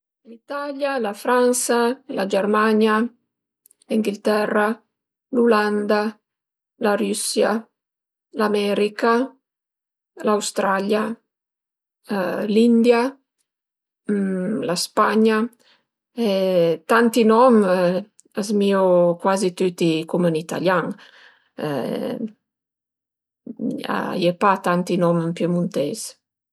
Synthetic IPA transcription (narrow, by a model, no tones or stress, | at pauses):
lit̪aljalafɾansalad͡ʒɛrmaɲja | liŋɡilt̪ɛrːa | luland̪a | laɾysja | lamɛɾika | lawst̪ɾalja | lind̪ja | laspaɲa | ɛt̪ant̪inɔm | azmiokwazit̪yt̪ikumənit̪a̰ljaŋ̰ | a̰jepat̪ant̪inɔmpjemunt̪ez